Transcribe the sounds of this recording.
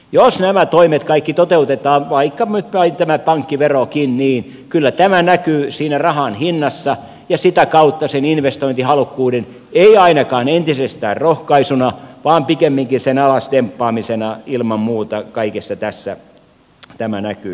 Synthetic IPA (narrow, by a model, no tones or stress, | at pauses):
josnæmæt̪oimet̪kɑikːit̪ot̪eut̪et̪ɑːʋɑikːɑyt̪pɑit̪æmæpɑŋkːiʋerokinniːn | kylːæt̪æmænækyːsiːnærɑhɑnhinːɑsːɑ | jɑsit̪ækɑut̪ːɑseninʋest̪oint̪ihɑlukːuːden | eiɑinɑkɑːnent̪isest̪æːrrohkɑisunɑʋɑːmpikemːiŋkinsenɑlɑsdempːɑːmisenɑilmɑmmuːt̪ɑkɑikesːɑt̪æsːæ | t̪æmænækyː